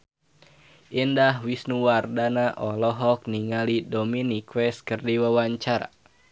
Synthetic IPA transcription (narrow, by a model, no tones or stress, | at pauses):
ʔindahwisnuwardanaʔɔlɔɦɔk̚niŋalidɔminikwɛskərdiwawaɲt͡ʃaɾa̰